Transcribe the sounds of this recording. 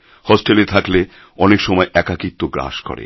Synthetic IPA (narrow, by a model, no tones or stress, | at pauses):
hɔsʈelet̪ʰakle | ɔnekʃɔmɔeʔɛkakit̪ːoɡɾa̰ʃkɔ̰ɾḛ